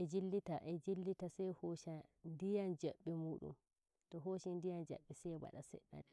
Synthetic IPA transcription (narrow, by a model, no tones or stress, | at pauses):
ʔɛd͡ʒilːitaʔɛd͡ʒilːitasɛjhoːʃandijand͡ʒaɓːimuːɗṵm | tɔɦoʃindijand͡ʒa̰ɓːisɛjwa̰ɗasɛ̰ɗːa̰ɗɛ